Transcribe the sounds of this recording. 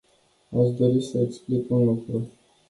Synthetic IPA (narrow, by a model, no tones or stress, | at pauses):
aʃd̪o̞ɾisəeksplikunlukɾu